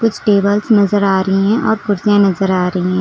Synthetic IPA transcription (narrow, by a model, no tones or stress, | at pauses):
kʊt͡ʃʰʈeːbəlsnɐzəɾaːɾɐiɦɛ̃ʔɔːɾkʊɾzẽnɐzəɾaːɾɐiɦɛ̃ː